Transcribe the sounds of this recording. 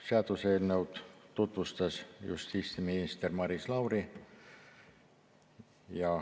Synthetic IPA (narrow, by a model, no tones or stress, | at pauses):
seɑt̪uselnewt̪t̪ut̪vust̪ɑsjṵst̪iːst̪iminist̪ermɑɾislɑwri | jɑ